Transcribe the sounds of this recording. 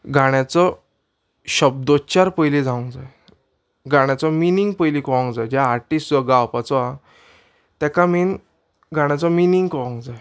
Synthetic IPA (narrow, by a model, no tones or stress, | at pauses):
ɡʱaɽ̃jat͡sɔ | ɕəb̚d̪ot͡ɕaɾpəjlid͡zʱaũŋkd͡zae | ɡaɽ̃jat͡sɔminiŋɡ̚pəjlikɔʋãŋkd͡zajd͡ʑjaːɾʈisʈəɡawpat͡sɔa | t̪ɛkamin | ɡʱaɽ̃jat͡sɔminiŋɡkɔʋãŋkd͡zaj